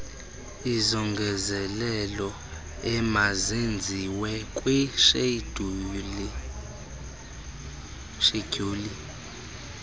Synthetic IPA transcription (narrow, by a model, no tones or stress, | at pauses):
izɔŋɡʱɛzɛlɛlɔ | ɛmazend͡zʱiwɛkʼwiʃed̥uli | ʃeɡ̥uːli